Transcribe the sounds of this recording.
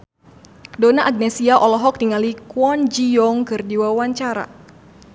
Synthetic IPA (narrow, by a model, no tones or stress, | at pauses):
dɔnaʔaɡ̚nɛsiaʔɔlɔɦɔk̚diŋalikwɔnd͡ʒijɔŋkɨrdiwawaɲt͡ʃaɾa̰